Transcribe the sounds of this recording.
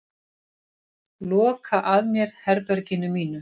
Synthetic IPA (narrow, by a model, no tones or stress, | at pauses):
lɔːkʰaʔaðmjɛɾ̥hɛɾpɛɾcɪnʏmiːnʏ